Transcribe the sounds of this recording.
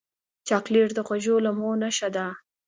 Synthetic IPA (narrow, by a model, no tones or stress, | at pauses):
t͡ʃɑqliɾd̪əxwaʒolamonaʃad̪a